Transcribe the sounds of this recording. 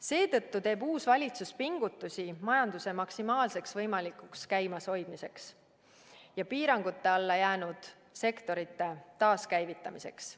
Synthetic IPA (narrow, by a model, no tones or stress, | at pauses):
se̞ːt̪ɤt̪ːut̪e̞ːbuːsvɑlʲit̪suspiŋɡ̥ut̪ːˑusʲimɑjɑnd̪̥use̞mɑksimɑːlse̞ksvɤjmɑlikˑukskæjmɑso̞jd̪̥mise̞ks | jɑpiːɾɑŋɡ̥ut̪ːe̞ɑlːɑjæːnud̪̥ | se̞kt̪o̞ɾit̪ːˑe̞t̪ɑːskæjvit̪ˑːɑmise̞̰ks